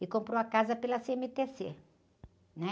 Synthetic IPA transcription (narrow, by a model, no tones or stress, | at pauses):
ɪkõmpɾowɐkazɐpelɐseẽmɪt̪esḛ | nɛ